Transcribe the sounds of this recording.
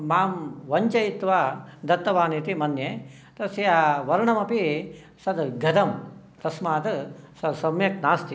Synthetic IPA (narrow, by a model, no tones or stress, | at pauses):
maːmʋɐɲt͡ʃɐjit̪ʋaːd̪ɐt̪ːɐʋaːnit̪imɐnjeː | t̪ɐsjaʋɐɾɳɐmɐpi | sɐd̪ɡʱɐd̪ɐm | t̪ɐsmaːt̪sɐd̪sɐmjɐknaːst̪i